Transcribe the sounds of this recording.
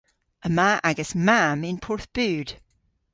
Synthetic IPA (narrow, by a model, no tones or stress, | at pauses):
ʔəmaːʔaɡəsmamɪ̃npʰɔɹθb̥ʉːd̥